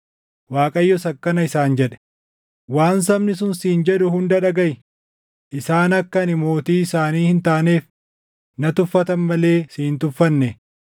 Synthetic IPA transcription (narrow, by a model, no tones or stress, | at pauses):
waːkʼɐjːɔsɐkːɐnɐɪsaːnd͡ʒɛᶑɛ̥ | waːns̬ɐbnɪs̬ʊnsiːnd͡ʒɛᶑʊhʊnd̪ɐᶑɐɡɐj | ʔɪsaːnɐkːɐnɪmo̞ːt̪iːsaːniːhɪnt̪aːne̞ːf | nɐt̪ʊfːɐt̪ɐnmɐle̞ːsiːnt̪ʊfːɐnːɛ